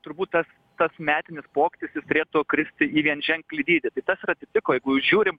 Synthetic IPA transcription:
t̪ʊɾbuːt̪tɐs | t̪ɐsmʲæːt̪ʲɪnʲɪspoːkʲɪt̪ʲɪsjɪst̪ʊɾʲeːt̪uɔkɾʲɪsʲt̪ʲɪiːʋʲiɛnʒʲɛŋklʲɪd̪ʲiːd̪ʲɪt̪ɐɪt̪ɐsɾɐt̪ʲɪt̪ʲɪkoːjɛɪɡʊjuːsʒʲuːɾʲɪm

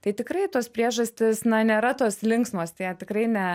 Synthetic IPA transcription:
t̪ɐɪt̪ʲɪkɾɐɪt̪oːspʲɾʲiɛʒɐsʲt̪ʲɪsnɐnʲeːɾɐt̪oːslʲɪŋksmoːst̪ʲiɛt̪ʲɪkrɐɪnʲɛ

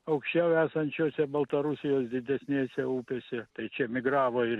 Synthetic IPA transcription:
ɐʊkʃʲt͡ʃʲɛʊæːsɐnʲt͡ʃʲoːsʲɛbɐlˠt̪ɐɾʊsʲɪjoːsd̪ʲɪd̪ʲɛsʲnʲeːsʲɛuːpʲeːsʲɛt̪ɐɪt͡ʃʲɛmʲɪɡrɑːʋoːɪr

